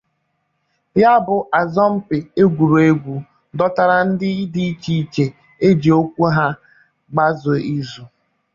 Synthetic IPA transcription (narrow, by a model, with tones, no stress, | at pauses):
ja˦bʊ˨ʔa˨zɔ˦m̩˦pɪ˨e˦ɡʷu˨ɾu˨e˦ɡʷu˨ | dɔ˦ta˦ɾa˨n̩˦dɪ˦di˦i˦t͡ʃi˦i˦t͡ʃe˨ | e˦d͡ʒi˨o˦kʷu˦ɦa˦ | ɡ͡ba˦zʊ˨i˦zu˨